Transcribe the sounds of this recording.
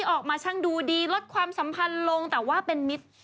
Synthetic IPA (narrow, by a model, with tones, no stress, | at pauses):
iː˥˩ʔɔː˨˩k̚maː˧t͡ɕʰa˥˩ŋduː˧diː˧lo˦˥t̪̚kʰwaː˧msa˩˦mpʰa˧nlo˧ŋt̪ɛː˨˩waː˥˩pe˧nmi˦˥t̪̚